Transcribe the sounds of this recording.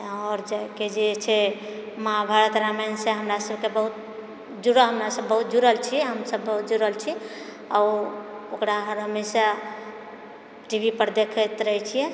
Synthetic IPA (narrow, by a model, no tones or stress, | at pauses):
ɔɾd͡ʒaked͡ʒet͡ʃʰe | mabʱaɾət̪ɾamanseɦəmɾasəb̚kebəɦut̪̚ | d͡ʒuɾəɦəmɾasəbːəɦut̪̚d͡ʒuɾəlt͡ʃʰiɦəmsəbːəɦut̪̚d͡ʒuɾəlt͡ʃʰi | auokɾaɦəɾɦəmesa | ʈibʱipəɾd̪ekʰɛt̪ɾəɦɛt͡ʃʰijɛ